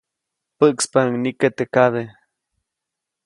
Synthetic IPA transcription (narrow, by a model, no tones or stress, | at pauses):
pəʔkspaŋniket̪ekaðe